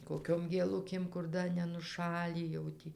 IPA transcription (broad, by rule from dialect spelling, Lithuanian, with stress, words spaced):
koːkʲoːm ɡʲeːˈlˠʊkʲeːm kʊr ˈdɐ nʲɛnʊˈʃɑːlʲiː jɛʊ ˈtʲiː